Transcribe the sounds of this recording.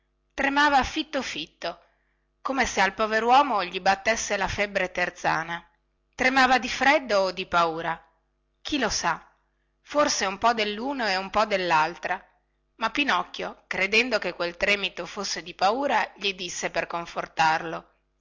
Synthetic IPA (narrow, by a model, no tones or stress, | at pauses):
t̪ɾemaːvafit̪ːofit̪ːo | komesealpɔveɾwɔːmoʎibat̪ːesːelafɛbːɾet̪ert̪sa̰ːna | t̪ɾemaːvad̪ifɾɛd̪ːoːd̪ipauːɾa | k̟ʰilosa | forseumpɔd̪elːuːnoeumpɔd̪elːalt̪ɾa | mapːinɔkːjokɾed̪ɛnd̪okekːwelt̪ɾɛːmit̪ofosːed̪ipauːɾaʎid̪isːeperkoɱfort̪arlo